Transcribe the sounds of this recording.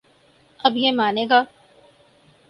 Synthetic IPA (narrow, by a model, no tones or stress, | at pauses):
ɐbjemaːneːɡaː